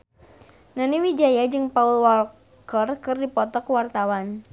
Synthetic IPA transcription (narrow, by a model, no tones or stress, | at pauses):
naniwid͡ʒajad͡ʒɨŋpaulwɔl | kərkɨrdipɔt̪ɔkwart̪awan